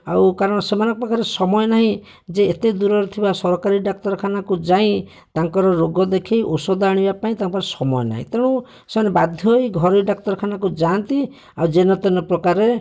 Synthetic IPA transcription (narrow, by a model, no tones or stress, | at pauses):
a̰wkaɾɔɽ̃ɔsemanɔŋkɔpɾɔkaɾesɔmɔjɔnaɦĩ | d͡ʒeːt̪ed̪uɾɔɾet̪ʰibasɔɾɔkaɾiɖak̚t̪ɔɾɔkʰanakud͡ʒaĩ | t̪aŋkɔɾɔɾoɡɔd̪ekʰejʔosɔd̪aɽ̃ibapaĩt̪akɔbaɾsɔmɔjɔna̰ɦḭ̃t̪eɽ̃ũ | semanebad̪ʱjɔjɡʱɔɾiɖak̚t̪ɔɾɔkʰanakud͡ʒant̪i | awd͡ʒenɔt̪ɔnɔpɾɔkaɾe